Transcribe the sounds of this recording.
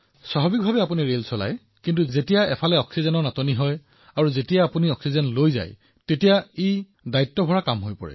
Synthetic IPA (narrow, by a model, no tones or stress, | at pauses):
saɦɔbik̚bʱabɛapuniɹelsɔla̰j | kintuzetijaʔɛpʰalɛɔksizɛnɔɹnatoniɦɔj | aɹuzetijaːpuniɔksizɔnlojza̰j | tetijai | daitːɔbʱɔɹakamɦojpɔ̰ɹɛ̰